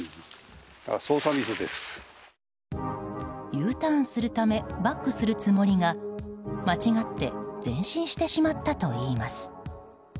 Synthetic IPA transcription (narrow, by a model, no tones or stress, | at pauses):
a̰soːsaβʲisɨd̪esɨ̥ | jɯːt̪ãsɨɾɯ̟t̪ame̞bakːɯ̟sɨɾɯ̟t͡sɨmo̞ɾʲiŋa | mat͡ɕiɡat̪ːe̞̰d͡zẽ̞ɰ̃ɕĩɰ̃ɕi̥t̪e̞ɕimat̪ːat̪o̞iːmasɨ̥